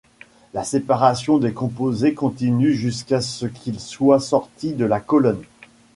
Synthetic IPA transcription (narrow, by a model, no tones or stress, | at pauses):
lasepaʁasjɔ̃d̪ekɔ̃pozekɔ̃t̪inyʒyskasəkʰʲilswasɔʁt̪id̪əlakɔlɔn